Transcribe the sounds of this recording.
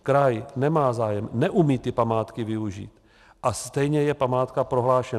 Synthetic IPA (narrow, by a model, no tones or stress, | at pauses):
kɾajnɛmaːzaːjɛmnɛʔumiːt̪ɪpamaːt̪kɪvɪuʒḭːt̪ | ʔast̪ɛjɲɛjɛpamaːt̪kapɾo̞ɦlaːʃɛn